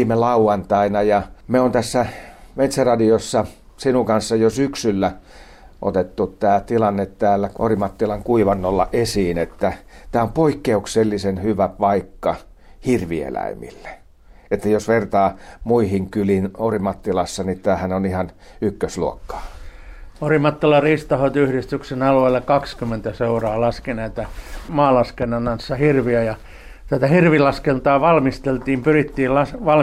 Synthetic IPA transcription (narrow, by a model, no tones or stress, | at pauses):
melɑuɑnt̪ɑinɑjɑmeont̪æsːæmet̪serɑdiosːɑ | sinukɑnsːɑjosyksylːæ | ʔo̰t̪et̪ːutt̪æːt̪ilɑnːet̪tæːlːæo̰rimɑt̪ːilɑŋkuiʋɑnːolːɑʔesiːnet̪ːæt̪æːompoikːeukselːisenhyʋæpɑikːɑ | hirʋiḛlæ̰imḭlːe̥ | et̪ːæjosʋert̪ɑːmuihiŋkylinorimɑt̪ːilɑsːɑnit̪æːhænonihɑnykːøsluokːɑ̥ː | orimɑt̪ːilɑriːst̪ɑhot̪yhɾist̪yksenɑlueilːɑkɑkskymːent̪æseurɑːlɑskeneit̪ɑmɑːlɑskenːɑnːɑnsːɑhirʋiæjɑ | t̪æt̪æhirʋilɑskelt̪ɑːʋɑlmist̪elt̪iːmpyrit̪ːiːllɑsʋɑl